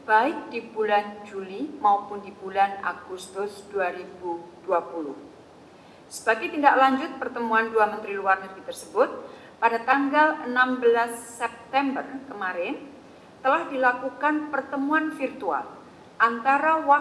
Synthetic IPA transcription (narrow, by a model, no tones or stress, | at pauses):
b̥aɪk̚dibuland͡ʒulimaupʊndibulana̰ɡ̥ust̪ʊsd̥uaɾibud̥uapulʊh | səb̥aɡɛt̪indaklaɲd͡ʒʊt̪̚pərt̪əmuanduamənt̪ɾiluarnərbit̪ərsəbʊt̪̚ | padat̪aŋɡalənambəlasːɛp̚t̪ɛmbərkəmaɾɪn | t̪əlahdilakukanpərt̪əmuanfirt̪ua̰l | ʔant̪aɾawa